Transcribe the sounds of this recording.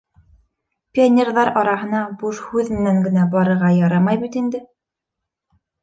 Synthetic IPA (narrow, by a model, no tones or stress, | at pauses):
pʲionʲerðɑɾɑɾɑɦɤ̆nɑbuʃhʉðmɘ̆næŋɡɘ̆næbɑɾɤ̆ɾʁɑjɑɾɑmɑjbit̪ind̪ɘ